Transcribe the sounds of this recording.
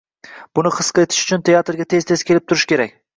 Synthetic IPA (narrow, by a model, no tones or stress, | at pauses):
b̥ʊnɪχɨ̥sqɑet̪ʰɪ̥ʃʊ̥t͡ʃʰʊnt̪ʰe̞jat̪ɾɡʲat̪ʰezt̪ʰe̞z̥kʲe̞lɪp̚t̪ʰʊɾɪʃkʲʰe̞ɾakʲ